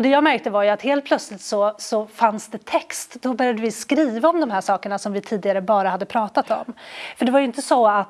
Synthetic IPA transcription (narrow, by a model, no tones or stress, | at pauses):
d̪ɛjɑːɡmæɾk̚t̪əvaɾjɵat̪heːlt̪̚pʰlœt̪slɪt̪sɔsɔfansd̪ɛt̪ʰɛkst̪d̪ɔbœɾjad̪əvɪskɾiːvaɔmd̪ɔmhæːʂɑːkəɳasɔmvɪt̪ʰiːd̪ɪɡaɾəbɑːɾahad̪ːəpʰɾɑːt̪at̪ɔ̰mfœɖɛvajɵɪnt̪əsɔat̪